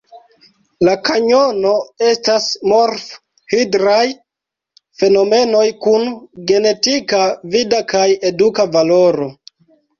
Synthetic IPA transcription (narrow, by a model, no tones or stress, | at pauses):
lakaɲo̞no̞e̞stasmoɾf | hidɾaj | fe̞no̞me̞no̞jkunɡe̞ne̞tikavidakaje̞dukavalo̞ɾo̞